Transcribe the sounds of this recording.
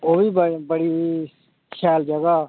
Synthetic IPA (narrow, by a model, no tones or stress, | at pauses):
oːbiːbəbəɽiː | kʰaːld͡ʒəɡaː